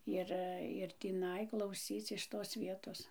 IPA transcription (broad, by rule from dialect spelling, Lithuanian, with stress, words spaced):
ˈɪr ɪr tʲiːˈnɐɪ klˠɐʊˈsʲiːt͡s ɪʃ toːs ˈʋʲiɛtoːs